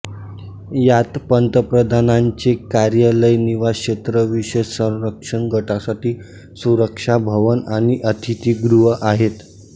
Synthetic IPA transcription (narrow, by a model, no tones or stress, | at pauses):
jat̪pənt̪əpɾəd̪ʱanaɲt͡ɕekaɾjələjniʋaɕet̪ɾəʋiɕəsə̃w̃ɾəkʂəɳɡʱəʈasaʈiː | suɾəkʂabʱəʋənañiʔət̪ʰit̪iːɡɾuɦəʔaɦet̪